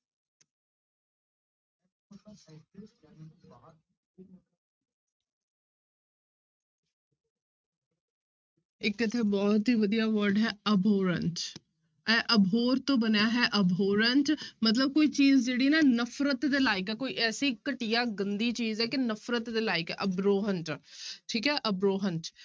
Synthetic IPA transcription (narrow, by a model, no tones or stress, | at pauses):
ɪkət̪ʰːeːbɔːt̪ɦiːʋəd̪ijaːʋəɾɖɦɛːəbʱoːɾə̰̃ɳʈ | ɛʔəbʱoːɾt̪õːbənjaːɦɛːʔəbʱoːɾəɳʈmət̪̬ləb̚koːiːt͡ʃiːzd͡ʒeːɽiːnaːnəfʰɾət̪d̪eːlaːɪkɛːkoːiʔɛːsiːkəʈijaːɡənd̪iːt͡ʃiːzɛːkɪnəfʰɾət̪d̪eːlaːɪkɛ̰ʔəbɾoːɦəɳʈʈʰiːkɦɛːʔəbɾoːɦəɳʈ